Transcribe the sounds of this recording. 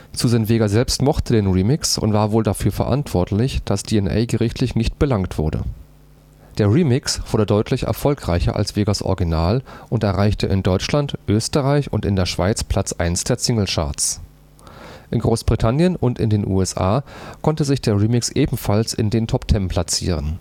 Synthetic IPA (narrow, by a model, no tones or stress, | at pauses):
t͡suzɛnveːɡazɛlpstmɔχtədeːnʁiːmɪksʊ̰ntv̥aːɐvoːldafyːɐfɛɐ̰ʔa̰ntv̥ɔɐtlɪçd̥asd̥iːɛnʔɛ̰ɪɡəʁɪçtʰlɪçnɪçt̚b̥əlaŋtv̥ʊɐdə̰ | d̥eːɐʁiːmɪksv̥ʊɐdədɔʏtʰlɪçɛ̰ɐfɔlkʁ̥aɪçɐ̰ʔa̰lsv̥eːɡɐsʔɔ̰ɐɡinaːlʔʊntɛɐʁaɪçtəʔɪndɔʏt͡ʃlantʔøːstəʁaɪçʊ̰ntɪndeːɐʃv̥aɪt͡spl̥at͡sʔa̰ɪnsd̥eːɐsɪŋl̩ʃa̰ɐt͡s | ʔɪnɡʁoːsb̥ʁitʰanjənʊntɪndeːnʔṵːɛsʔa̰ːkʰɔntəzɪçd̥eːɐʁiːmɪksʔeːbm̩falsɪ̰ndeːntʰɔptʰɛmpʰlat͡sḭːʁ̞ən